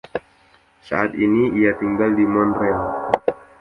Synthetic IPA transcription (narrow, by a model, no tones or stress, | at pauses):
sa̰at̪iniiat̪iŋɡaldimɔnrial